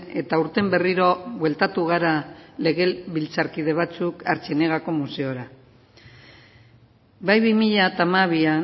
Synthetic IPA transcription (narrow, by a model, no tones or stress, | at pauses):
e̞t̪auɾt̪e̞mbe̞riɾo̞βwe̞lt̪at̪uɣ̞aɾale̞ɣ̞e̞βilt͡saɾkiðe̞β̞at͡sukaɾt͡seneɣako̞muse̞o̞ɾa | bajβimiʎat̪amaβia